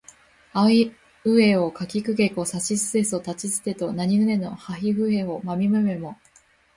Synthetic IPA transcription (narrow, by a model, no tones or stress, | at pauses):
ai | ɯ̟e̞o̞kakʲikɯ̟ɡe̞ko̞saɕisɨe̞sot̪at͡ɕizɨ̥t̪e̞t̪o̞naɲ̟iɡɯ̟ne̞no̞haɦiɸɯ̟e̞o̞mamʲimɯ̟me̞mo̞